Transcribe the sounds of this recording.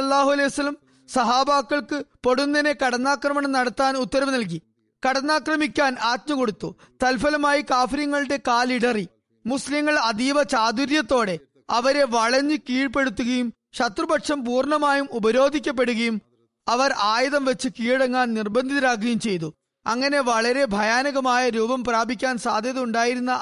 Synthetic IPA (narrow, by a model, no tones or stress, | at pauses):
lːaːɦuɐlejʋɐsɐlːɐm | sɐɦaːbaːkːɐɭkɨpo̞ɽunːɐne̞kɐɽɐnːaːkrɐmɐɳɐmnɐɽɐt̪ːaːnut̪ːɐɾɐmnɐlk̬i | kɐɽɐnːaːkrɐmikʲːaːnaːt̪̚mɐko̞ɽut̪ːu | t̪ɐlfɐlɐmaːjikaːfiɾɐŋːɐɭɨɽe̞kaːliɽɐri | musliŋːɐɭɐd̪iːbɐt͡ɕaːd̪uɾjɐt̪ːo̞ːɽe̞ | ɐʋɐɾe̞ʋɐɭɐɲːɨkiːɻpe̞ɽut̪ːuɣɐjum | ɕɐt̪rɨbɐkʂɐmpuːrɳɐmaːjumubɐɾo̞ːd̪ʱikʲːɐp̬ːe̞ɽuɣɐjum | ɐʋɐraːjɐðɐmʋe̞t͡ɕːɨkiːɽɐŋːaːnnirbɐnd̪ʱiðɐɾaːk̬ːɐjumt͡ɕe̞jt̪̬u | ɐŋːɐne̞ʋɐɭɐɾe̞bʱɐjaːnɐɣɐmaːjɐɾuːbɐmpraːbʱikʲːaːnsaːd̪ʱjɐðɐuɳɖaːjiɾunːɐ